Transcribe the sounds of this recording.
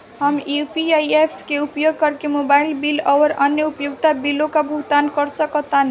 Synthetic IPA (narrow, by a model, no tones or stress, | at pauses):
ɦəmipʰiajepʰskeupjoɡ̚kʌɾkemobailbilɔʋəɾʌnjʌupjuɡt̪abilokabʱuɡt̪ankʌɾsʌkɔt̪an